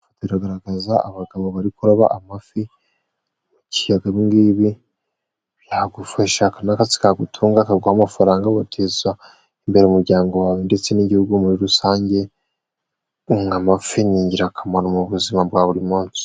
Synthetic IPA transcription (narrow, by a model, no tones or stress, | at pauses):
fatiiɾaɡaɾaɡazaaβaɡaβo̞βaɾikuɾaβaʔamafi | ucijaɡaβŋɡiːβi | βjaːɡufaiʃakanakat͡si̥kaɡutʰuːŋɡakaɡuhamafaɾaːŋɡaβatʰezwa | imbe̞ɾeumuɾɟaːŋɡo̞waːwende̞t͡se̞niɟihuɡumuɾiɾusaːɲɟe̞ | ŋamafiniːɲɟiɾakʰamaɾomuβuzimabɡaːβuɾimoːnsi̥